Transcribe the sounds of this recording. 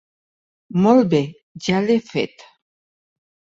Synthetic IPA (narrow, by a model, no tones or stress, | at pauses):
mɔlbɛ | d͡ʒalɛfɛ̰t̪